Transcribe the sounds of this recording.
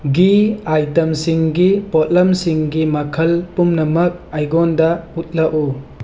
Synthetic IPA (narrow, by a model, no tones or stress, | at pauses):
ɡiajtɐmsiŋɡipot̚lɐmsiŋɡimɐkʰɐlpumnɐmɐk̚ajɡondɐut̚lɐʔu